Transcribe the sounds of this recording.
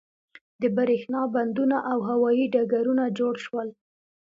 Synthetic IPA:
d̪əbaɾexnɑband̪unaʔawɦawɑjiɖaɡaɾunad͡ʒoɽʃwəl

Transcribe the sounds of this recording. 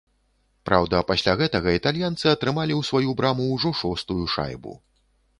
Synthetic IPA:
pɾawd̪ɐpasʲlʲaɣɛt̪ɐɣɐit̪alʲjant̪sɨɐt̪ɾɨmalʲiwsvajubɾamuwʐɔʂɔst̪ujuʂa̰jbṵ

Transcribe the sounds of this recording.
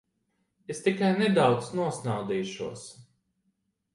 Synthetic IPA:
est̪ikajned̪awt̪snuɔsnawd̪iːʃṵɔs

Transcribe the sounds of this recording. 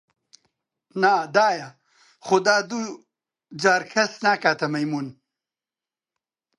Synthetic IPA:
nad̪aːja | χud̪aːd̪u | d͡ʑaːɾkʰɐsnakat̪ɐmɐjmun

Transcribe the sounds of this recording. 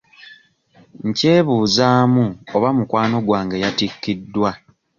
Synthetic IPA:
ɲce̞ːβuːzaːmuoβamukwaːno̞ɡwaːŋɡejatikːidːwa

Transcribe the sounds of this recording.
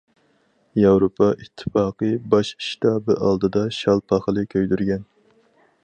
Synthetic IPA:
jɑwɾopʰɑʔit̪ʰːɨ̥fɑːqɨbɑʃʃi̥t̪ʰɑːbɨʔɑlˠd̪ɨd̪ɑʃɑlˠpʰɑχəlˠɨkʲʰøjd̪yɾɡʲɛn

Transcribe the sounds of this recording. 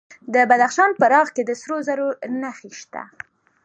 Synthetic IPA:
d̪əbad̪axʃɑnpəɾɑɣked̪əsɾozaɾonaxiʃt̪a̰

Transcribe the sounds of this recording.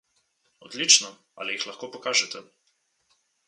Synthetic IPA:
ɔd̪lit͡ʃnɔ | a̰ːlijixlɐxkoːpɔkaːʒɛt̪ʰɛ

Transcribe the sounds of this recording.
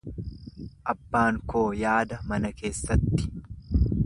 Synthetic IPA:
ʔɐbːaːŋkoːjaːd̪ɐmɐnɐke̞ːsːɐt̪ːɪ̥

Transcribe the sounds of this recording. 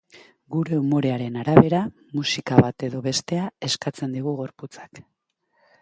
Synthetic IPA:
ɡuɾe̞umo̞ɾe̞aɾe̞naɾaβe̞ɾa | musikaβat̪e̞ðo̞βe̞st̪e̞ae̞skat͡se̞nd̪iɣuɣ̞o̞ɾput͡sḁk

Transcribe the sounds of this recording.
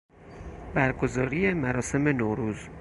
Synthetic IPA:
bæɾɡozɒːɾijemæɾɒːse̞me̞noːɾuːz

